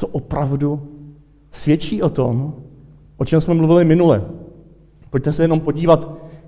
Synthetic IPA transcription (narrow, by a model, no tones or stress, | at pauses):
oʔopɾavdu | svjɛt͡ʃiːʔo̞t̪o̞m | ʔo̞t͡ʃɛmsmɛmluvɪlɪmɪnulɛ | poc̚t̪ɛsɛjɛno̞mpo̞ɟiːvat̪